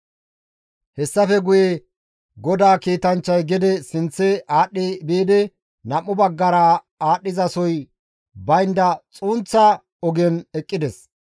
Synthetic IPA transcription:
hɛsːɐfɛɡʊje | ɡɔd̪aːkiːt̪ɐnt͡ʃːɐjɡɪd̪ɛsɪnt͡sːɛʔaːɗːebeːd̪ɛ | nɐmːʊbɐɡːɐɾaː | aːɗːɪzɐsɔj | bɐjnd̪ɐt͡sʼuːnt͡sːɐ | ɔɡɛnɛkʼːɪd̪ɛs

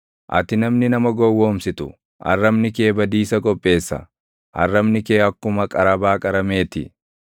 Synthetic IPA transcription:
ʔɐ̰t̪ɪnɐmnɪnɐmɐɡɔwːo̞ːmsɪt̪ʊ | ʔɐ̰rːɐmnɪke̞ːbɐd̪iːsɐkʼɔpʼːe̞ːsːɐ̰ | ʔɐ̰rːɐmnɪke̞ːɐkːʊmɐkʼɐɾɐbaːkʼɐɾɐme̞ːt̪ɪ

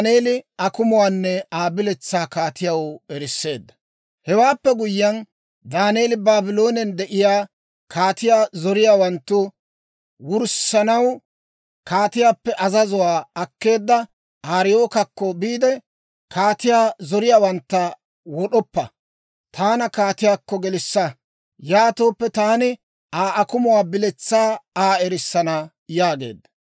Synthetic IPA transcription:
neːlɪɐkʊmʊwaːnːɛaːbɪlɛt͡sːaːkaːt̪ɪjɐwɛɾɪsːe̞ːd̪ːɐ̥ | hɛwaːpːɛɡʊjːɐn | d̪aːneːlɪbaːbɪlo̞ːnɛnd̪ɛʔɪjaː | kʰaːt̪ɪjaːzɔɾɪjaːwɐnt̪ːʊ | wʊɾsɐnɐw | kaːt̪ɪjaːpːɛʔɐzɐzʊwaːɐkːe̞ːd̪ːɐ | ʔaːɾɪjoːkɐkːɔbiːd̪ɛ | kaːt̪ɪjaːzɔɾɪjaːwɐnt̪ːɐ | wɔɗɔpːɐ̰ | t̪ʰaːnɐkaːt̪ɪjaːkːɔɡɛlɪsːɐ | jaːt̪oːpːɛt̪aːnɪ | aːʔɐkʊmʊwaːbɪlɛt͡sːaːaːɛɾɪsːɐnɐ | jaːɡe̞̰ːd̪ɐ

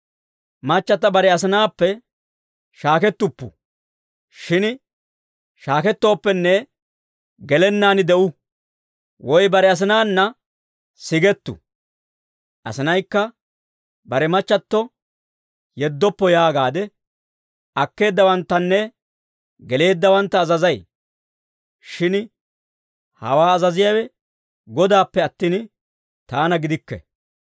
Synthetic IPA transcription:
mɐt͡ʃːɐt̪ːɐbɐɾɛɐs̬ɐnaːpːɛ | ʃaːkɛt̪ːʊpːʊ̰ | ʃɪn | ʃaːkɛt̪ːo̞ːpːɛnːɛ | ɡɛlɛnːaːnɪd̪ɛʔʊ | wɔjbɐɾɛɐs̬ɪnaːnːɐ | sɪɡɛt̪ːʊ̰ | ʔɐ̰sɪnɐjkːɐ | bɐɾɛmɐt͡ʃːɐt̪ːɔ | jɛd̪ːɔpːɔjaːɡaːd̪ɛ | ɐkːe̞ːd̪ːɐwɐnt̪ːɐnːɛ | ɡɛle̞ːd̪ːɐwɐnt̪ːɐːzɐzɐj | ʃɪn | hɐ̰waːɐzɐzɪjawɛ | ɡɔd̪aːpːɛɐt̪ːiːn | t̪aːnɐɡɪd̪ɪkːɛ̰

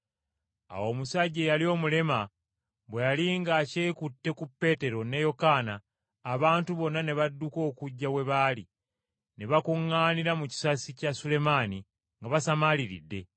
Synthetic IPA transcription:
a̰wo̞ːmusaɟːejalio̞ːmule̞ma | βwejaliŋɡaːceːkutːe̞kupːe̞ːte̞ɾo̞ne̞jo̞kaːnaː | βaːntuβo̞nːane̞βadːuko̞ːkuɟːawe̞βaːli | ne̞βakuŋːaːniɾamuci̥sasicasule̞maːni | ŋɡaβasamaliɾḭdːe̞

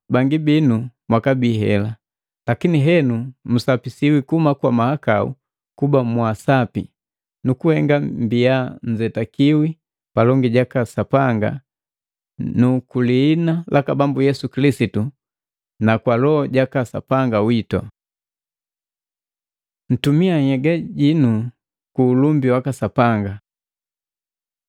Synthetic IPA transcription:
baŋɡibinumwakabiɦɛ̰la | lakiniɦɛnum̩sapisiwikumakwamahakaṵ | kubamwasapḭ | nukuhɛŋɡambijaɲ̩d͡ʒɛtakiwi | palɔŋɡiɟakasapaŋɡa̰ | nukuliːnalʔakabambujɛsukilisitu | nakwalɔɟakasa̰paŋɡawitɔ̰ | n̩tumiahɛɡaɟinu | kuːlumbiwakasapaŋɡa

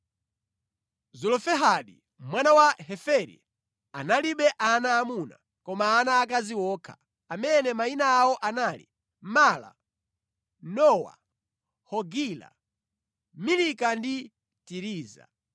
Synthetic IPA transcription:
zɔlɔfɛɦaɗi | mwanawaɦɛfɛɾḭ | analiɓɛʔanaːmuna̰ | kɔmaːnaːkaziwɔːkʰa̰ | amɛnɛmainaːwɔʔanalḭ | mala̰ | nɔwa̰ | hɔɡila̰ | milikandi | tiɾiːza̰

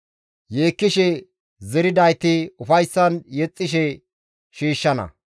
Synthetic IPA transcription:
je̞ːkːɪʃɛ | zɛɾɪd̪ɐjt̪ɪʊfɐjsːɐnjɛt͡sʼːɪʃɛ | ʃiːʃːɐnɐ̰

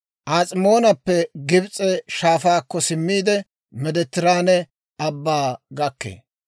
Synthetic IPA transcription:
ʔaːt͡sʼɪmo̞ːnɐpːɛɡɪbt͡sʼɛʃaːfaːkːɔsɪmːiːd̪ɛ | mɛd̪ɛt̪ːɪɾaːnɛ | ɐbːaːɡɐkːḛː

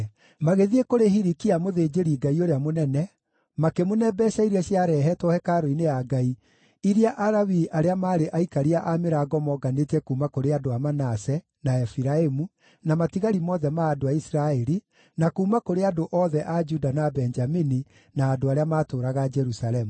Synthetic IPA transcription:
maɣeðiekoɾehiɾikiamoðed͡ʒeɾiɡaioɾeamonɛnɛ | makemonɛbɛʃaiɾiɛɕjaɾɛɦɛtɔhɛkaɾoinejaɡai | iɾiaʔaɾawiʔaɾeamaːɾeʔaikaɾiaʔameɾaɡɔmɔɡanetɛkuːmakoɾeadoamanasɛ | naɛfiɾaemu | namatiɣaɾimɔðɛmaːdoaisiɾaɛɾi | nakuːmakoɾeadoʔɔðɛʔad͡ʒudanabɛnd͡ʒamini | naːdoaɾeamaːtoːɾaɣad͡ʒɛɾusalɛmu

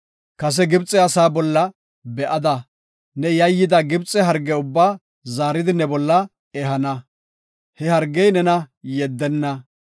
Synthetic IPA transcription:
kɐs̬ɛɡɪbt͡sʼːɛɐsaːbɔlːɐ | bɛʔɐd̪ɐ | nɛjɐjːɪd̪ɐɡɪbt͡sʼːɛɦɐɾɡːɛʊbːaː | zaːɾɪd̪ɪnɛbɔlːɐ | ɛɦɐnɐ | hɛhɐɾɡːɛjnɛnɐjɛd̪ːɛnːɐ

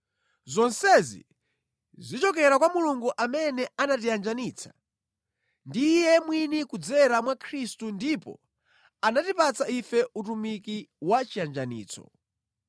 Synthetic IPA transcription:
zɔnsɛzḭ | zit͡ʃɔkɛɾakwamuluŋɡuʔamɛnɛanatijand͡ʒaniːt͡sʰḁ | ndijɛmwinikud͡zɛɾamwakʰɾistundipɔ̰ | anatipat͡saifɛutumikiwat͡ʃiand͡ʒanḭːt͡sʰɔ̰

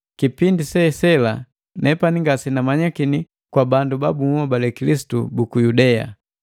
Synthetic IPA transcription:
kipindisɛsɛla | nɛpaniŋɡasinamaɲakini | kwabandubabumuɔbalɛkilisi̥tubukujudɛa̰

